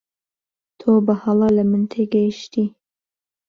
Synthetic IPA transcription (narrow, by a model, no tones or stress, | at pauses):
t̪ʰobɨhɑlˠɑlɐmɨnt̪ʰeɡəjʃt̪i